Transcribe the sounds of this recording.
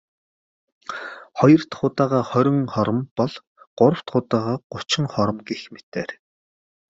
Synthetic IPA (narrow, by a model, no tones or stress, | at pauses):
χɔjɞ̆r̥t̪χʊːt̪aːʁaːχœɾʲɪ̆ŋχɔɾɞ̆mpɔɮ | ɢ̥ʊɾə̆w̥t̪χʊt̪aːʁaːɢ̥ʊt͡ɕɪ̆ŋχɔɾə̆mɡexmet̪eːr